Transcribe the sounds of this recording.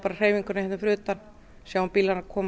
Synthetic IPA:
paːɾar̥eːjviŋkʏɾnahɛt̪ːʏfɾʏːt̪an | sjawunpilanakʰɔːm

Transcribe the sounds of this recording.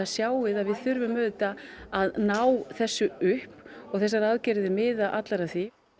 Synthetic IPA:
asjaːwɪðaðvɪðθʏɾvʏmːœːðt̪aaðnaːwθɛsːʏʏhpɔɣθɛs̬aɾaðcɛɾðɪmɪːðaʔat̪laɾaðθi

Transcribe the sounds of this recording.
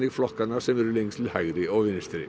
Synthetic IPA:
niːflɑkkɑnəsɛmɾʉlɪŋst̪ʰlhɑʉɾɪoːʋɪnst̪ɾɪ̰

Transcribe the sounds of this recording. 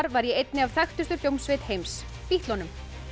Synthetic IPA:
ɾvaɾjɛejt̪nɪavθajxt̪ʏst̪ʏljowmsvɪːt̪hejms | piht̪lɔnʏm

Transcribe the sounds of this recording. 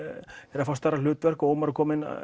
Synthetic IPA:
ɛɾafawst̪aɾalʏːt̪vɛr̥kɔoːwmaɾʏkʰɔːmɪn̰

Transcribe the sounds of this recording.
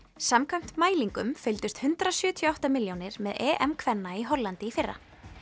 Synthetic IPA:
samkʰvam̥t̪maːjliŋkʏmfɪlt̪ʏst̪hʏnt̪ɾasjʏːt̪ʰjɔawht̪amɪljownɪɾmɛðɛːʔɛmkʰvɛnːaiɦɔlːant̪ɪifɪrːa̰

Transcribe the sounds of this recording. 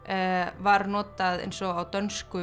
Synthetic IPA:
vaɾnɔːt̪aðḛjnsɔɣawt̪œnskʏ

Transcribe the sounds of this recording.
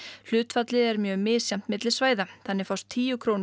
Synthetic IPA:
l̥ʏːt̪fat̪lɪɛɾmjœːmɪːsjam̥t̪mɪt̪lɪ̥svaːjðaθanːɪfawst̪ʰːiːjʏkʰɾown

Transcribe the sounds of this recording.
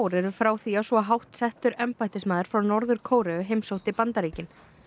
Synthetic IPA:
wɾɛɾʏfɾaːwθiːasvɔɦawht̪sɛht̪ʏɾɛmpajt̪ɪsmaːðɪɾ̥fɾawnɔɾðʏɾkʰoːwɾɛʏɦejmsowt̪ɪpant̪aɾiːcɪn

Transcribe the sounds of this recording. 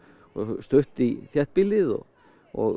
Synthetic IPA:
ɔ̰st̪œht̪iθjɛht̪̚pɪlːɪðɔ̰ | ɔ̰ɣ

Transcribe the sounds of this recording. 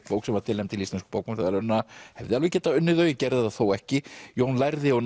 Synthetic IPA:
poːwksɛmvaɾt̪ɪlɛjmt̪ʰɪlist̪anskʏ̥poːwkmmt̪aɛlœnːahɛvðɪalvʏcɛːt̪aʏnːʏðœːjɪcɛɾðaðaθowɛhcɪjownlajɾðɪɔn

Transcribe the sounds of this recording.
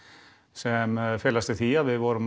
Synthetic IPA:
sɛmfeːlast̪ət̪ʰiːaʋɪʋoːɾm

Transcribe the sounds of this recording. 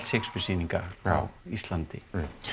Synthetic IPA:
t̪sekspɪsiːniŋkaa̰wist̪lant̪ɪ̰

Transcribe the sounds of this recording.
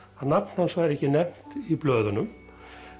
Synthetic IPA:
aðnapn̥hansɔɛɾɛhcɪnɛm̥t̪iplœːðʏnʏm

